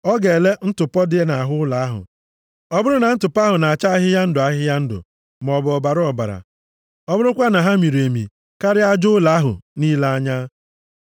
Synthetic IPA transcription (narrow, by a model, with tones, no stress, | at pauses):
ɔ˦ɡe˨le˦n̩˦tʊ˨pɔ˦dɪ˦e˦na˨a˨ɦʊ˦ʊ˦la˨a˦ɦʊ̰˨ | ɔ˦bʊ˦ɾʊ˦na˨n̩˦tʊ˨pa˦ɦʊ˨na˨a˨t͡ʃa˦ɦɪ˦ja˦n̩˦dʊ˨a˦ɦɪ˦ja˦n̩˦dʊ̰˨ | m˨ɔ˨bʊ˨ɔ˨ba˨ɾʊ˦ɔ˨ba̰˨ɾa̰˨ | ɔ˦bʊ˦ɾʊ˦kʷa˦na˨ɦa˦mi˨ɾu˨e˨mḭ˨ | ka˦ɾɪ˦a˦d͡ʒʊ˦la˨˦ɦʊ̰˨niː˦la˦a˦ɲa˦